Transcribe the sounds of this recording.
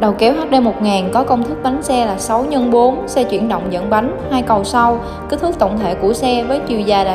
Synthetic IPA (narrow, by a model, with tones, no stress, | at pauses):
ɗə˨˩wke˨˦whɦaː˦˥t̚ɗe˧mo˨˩t̚ŋaː˨˩nkɔ˨˦kə˧wŋ͡mt̪ʰɨ˦˥k̚ɓa˨˦jŋ̟sɛ˧laː˨˩sa˨˦wɲə˧nɓo˨˦nsɛ˧t͡ɕwḭ˧˩ənɗə̰˧˨wŋ͡mzə̰˧˨nɓa˨˦jŋ̟haː˧jkə˨˩wsa˧w | ki˧˨˦t̪ʰɨ˦˥k̚t̪ə̰˧˨wŋ͡mt̪ʰe˧˨ku˧˩əsɛ˧vəː˨˦jt͡ɕi˨˧˩əzaː˨˩laː˨˩